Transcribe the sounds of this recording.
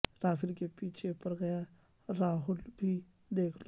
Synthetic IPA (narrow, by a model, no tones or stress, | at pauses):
ɾaːɦʊlkepiːt͡ʃʰepɐɾɡɐja | ɾaːɦʊlbʱi | d̪eːkʰlo